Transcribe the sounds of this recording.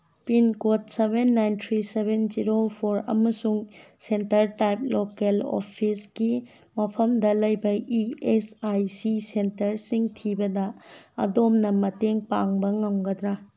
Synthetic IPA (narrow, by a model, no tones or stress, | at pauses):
pinkot̚sebʱenːajntʰɾisebend͡ʒiɾopʰoɾɐ̰mɐsuŋ | sentɐɾtajp̚lokelo̰pʰisɡi | mɐpʰɐmdɐlɐjbɐiesajsisentɐɾsiŋtʰibɐdɐɐ̰domnɐmɐteŋpaŋbɐŋɐmɡɐdɾa